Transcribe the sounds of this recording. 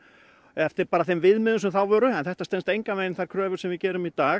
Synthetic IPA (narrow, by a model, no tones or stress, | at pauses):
ɛft̪ɪɾpaːɾaθejmvɪðmɪːðʏnsʏθawvœːɾʏɛnθɛht̪ast̪ɛnst̪ejŋkamveːjnθaɾ̥kʰɾœːvʏ̥sɛmvɪðcɛːɾʏmit̪aː